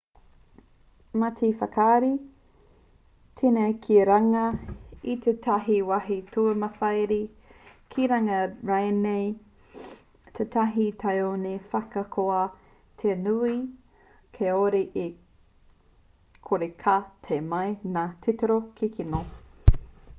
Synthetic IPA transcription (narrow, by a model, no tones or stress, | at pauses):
matʰifɐkʰaːɾi | tʰinekʰiɾaŋɐit̪ʰetʰɐɦiwɐɦitʰuɐmɐfɐjɾi | kʰiɾɐŋɐɾɐjnej | tʰetʰɐɦitʰɐjonefɐkɐkʰoɐ | tʰenui | kʰeoɾiʔi | kʰoɾekʰatʰemɐjnaːtʰiteɾokʰikʰino